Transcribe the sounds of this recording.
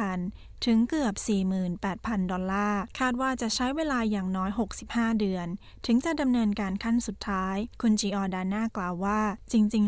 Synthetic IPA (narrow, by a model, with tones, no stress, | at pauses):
a˧˩n | t̪ʰɯ˩˦ŋkɯ˨˩əp̚siː˨˩mɯː˨˩npɛː˨˩t̪̚pʰa˧ndɔ˧nlːaː˥˩kʰaː˥˩t̪̚waː˥˩t͡ɕa˨˩ʔt͡ɕʰa˦˥jweː˧laː˧jaː˨˩ŋnɔː˦˥jɦo˨˩k̚si˨˩p̚haː˥˩dɯ˧ən | t̪ʰɯ˩˦ŋt͡ɕa˨˩da˧mnɤː˧nkaː˧nkʰa˥˩nsu˨˩t̪ʰːaː˦˥jkʰu˧nt͡ɕiː˧ʔɔː˧daː˧naː˥˩klaː˨˧wːaː˥˩t͡ɕi˧ŋt͡ɕi˧ŋ